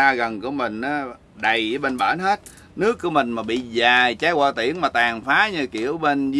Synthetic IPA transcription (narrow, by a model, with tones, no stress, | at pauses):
aː˧ɣə˨˩nku˧˩˦əmï˨˩ŋ̟ʔaː˨˦ | ɗə˨˩jɓe˧nɓaː˧˩nɦe˦˥t̚ | nɨ˦˥əkːu˧˩əmï˨˩ŋ̟maː˨˩ɓḭ˧˨zaː˨˩jt͡ɕaː˨˦˥jwaː˧˩t̪ḭ˧˩˨ənmaː˨˩t̪aː˨˩ŋfaː˨˦ɲɨ˧˩kḭ˧˩˨əwɓe˧nz